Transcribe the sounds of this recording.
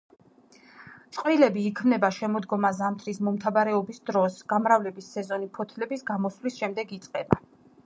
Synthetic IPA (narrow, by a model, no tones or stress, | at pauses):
t̪sʼqʼwilɛbiːkʰmnɛbaʃɛmɔd̪ɡɔmazamt̪ʰɾismɔmt̪ʰavaɾɛɔbisd̪ɾɔsɡ̥amɾavlɛbisːɛzɔnipʰɔt̪ʰlɛbisɡamɔslisʃɛmd̪ɛɡit̪sʼqʼɛba̰